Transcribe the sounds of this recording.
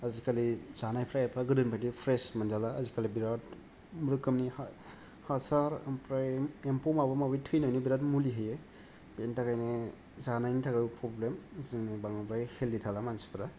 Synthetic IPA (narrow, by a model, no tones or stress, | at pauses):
azikalizanajpʰɾaepʰaɡɯdɯnpʰatipʰɾesmanzalaːzikalibiɾat | mɾɯkɯmniha | hasaɾmpɾaempumabamabɯjtʰɯjnajnibiɾatmuliɦɯje | pentakajne | zanajnitʰakapʰɾɔblemzɯŋnebaŋapɾahelitʰalamansi̥pʰɾa